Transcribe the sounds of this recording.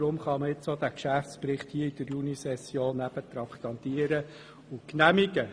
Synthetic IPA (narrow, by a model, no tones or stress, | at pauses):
ɾʊmχɑməɪt͡sod̪ækʃæft͡spɾɪχthiːəid̥̪əɾjunisɛsjoːnːæb̥ət̪ɾɑkt̪ɑnt̪iəɾə | ʊknæmiɡə